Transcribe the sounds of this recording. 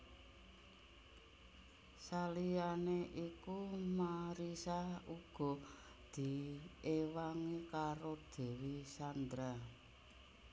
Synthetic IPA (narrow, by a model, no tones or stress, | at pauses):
salijaneʔikumaɾisauɡ̥ɔ̤ | d̪̥i̤ewaŋikaɾod̪̥e̤wisand̪ɾa